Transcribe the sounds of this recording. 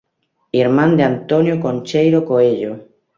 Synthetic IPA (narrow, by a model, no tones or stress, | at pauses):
iɾmãnd̪eant̪onjokonʲt͡ʃejɾokoeʎo